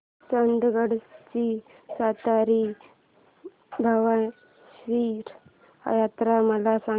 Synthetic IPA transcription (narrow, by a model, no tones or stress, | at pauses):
t͡sənd̪ɡəɽt͡ɕi | sat̪aɾi | bʱaʋa | ɕʋiɾ̰ | jat̪ɾaməlasa